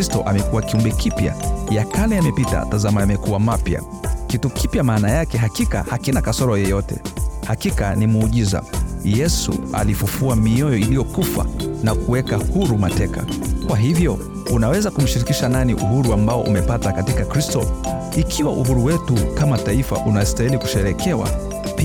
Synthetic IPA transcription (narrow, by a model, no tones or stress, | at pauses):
istɔʔamɛkuwakiumbɛkipja̰jakalɛamɛpita̰tazamajamɛkuwamapja̰ | kitukipjamaːnajakɛɦakika̰hakinakasɔɾɔjɛjɔtɛ̰hakikanimuːʄiza̰jɛsṵa̰lifufuamiɔjɔilijɔkufa̰nakuwɛkahuɾumatɛka̰kwaɦivjɔ | unawɛzakum̩ʃiɾikiʃananḭʔuɦuɾuambaɔʔṵmɛpatakatikakɾistɔ | ikʰiwaʔuɦuɾuwɛtukamataifa̰ʔunastahiliku̥ʃɛɾɛkʰɛwa̰ | pi